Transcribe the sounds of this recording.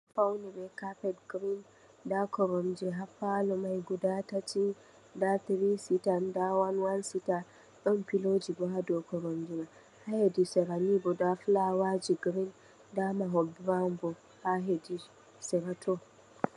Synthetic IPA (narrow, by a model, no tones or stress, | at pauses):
fawnibɛkapɛdɡɾin | dakɔɾɔmd͡ʒiɦafalɔmajɡudatatʰi | datiɾisitandawanwansita | ɗɔnpilod͡ʒibɔɦadɔkɔɾɔmd͡ʒina | hahedisɛɾanibɔdaflawad͡ʒiɡɾin | damaɦɔbɾambɔ | haɦedi | sɛɾatʰɔ